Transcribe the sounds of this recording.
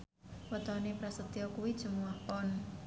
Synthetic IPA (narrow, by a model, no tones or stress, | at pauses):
wət̪ɔnepɾasət̪iokuwid̥ʒ̥ṳmuahpɔn